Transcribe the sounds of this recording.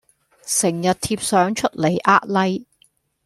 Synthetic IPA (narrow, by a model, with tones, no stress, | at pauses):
sɪ˨˩ŋjɐ˨t̚t̪ʰiː˧p̚sœː˨˥ŋt͡ʃʰɵ˥t̚le˨˩jʔaː˥t̚lɐ˥j